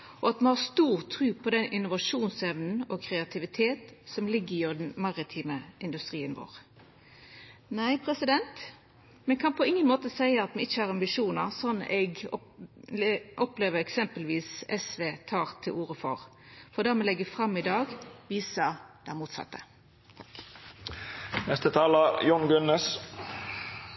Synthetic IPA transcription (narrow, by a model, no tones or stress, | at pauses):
ɔɑt̪mɛhɑːst̪uːʁt̪ʰɾʉːpʰɔd̪ɛnʔɪnʊʋɑʂuːnsɛʋnn̩ɔkʰɾɛɑt̪ʰɪʋɪt̪ʰeːt̪sɔmlɪɡːəjod̪nmɑʁɪt̪ʰiːməʔɪnd̪ʉst̪ɾiːənʋo̰ːʁ | næɪpʰʁɛsɪd̪ɛnt̪ | mɛnkʰɑnpʰɔɪŋːənmoːt̪əsæɪəɑt̪mɛɪçːəɑɾɑmbɪʂuːnəʁsɔnːʔɛɡ̪ | ʔɔpleːʋəɛksɛmpəlʋiːsɛsʋeːt̪ʰɑːʁt̪ʰɪlʔuːʁəfɔ̰ʁ | fɔd̪æʁmɛlɛɡːəfʁɑmːɪd̪ɑːɡʋiːsəd̪̥ɛæmuːt̪sɑ̰t̪ːə̥ | nɛst̪ət̪ʰɑːləjʊŋɡʉnɛs